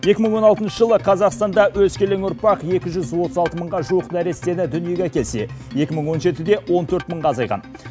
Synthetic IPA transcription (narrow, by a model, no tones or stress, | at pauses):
je̞kʲɪməɴwo̞nɑlˠt̪ənʃəʒəlˠəqʰɑzɑqst̪ɑnd̪ɑwɵzkʲʰe̞leŋʊɾpɑqje̞kʲɪʒʏzwo̞t̪əzɑlˠt̪əməɴʁɑʒuwəqnæɾe̞st̪e̞nɪd̪ʏnije̞ɡʲekʲʰe̞lse̞̰je̞kʲɪməɴwo̞nʒe̞t̪ɪd̪e̞wo̞nt̪ʰɵɾt̪məɴʁɑːzɑjʁɑ̰n